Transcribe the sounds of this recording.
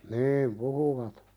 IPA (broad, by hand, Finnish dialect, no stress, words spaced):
niːm puhuʋɑt